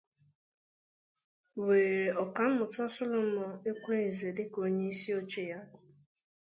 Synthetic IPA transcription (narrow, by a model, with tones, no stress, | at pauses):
we˨e˨ɾe˨ɔ˨ka˨m̩˦mʊ˨tɔ˦sɔ˦lʊ˦mɔ˨e˦kʷe˦e˨ze˨dɪ˦ko˦ɲe˦i˦si˦o˦t͡ʃe˦ja˦